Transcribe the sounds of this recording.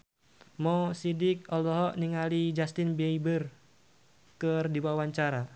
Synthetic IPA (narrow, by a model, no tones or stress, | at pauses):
mɔsidɪk̚ɔlɔɦɔʔniŋalid͡ʒast̪ɪnbɛibər | kərdiwawaɲt͡ʃaɾa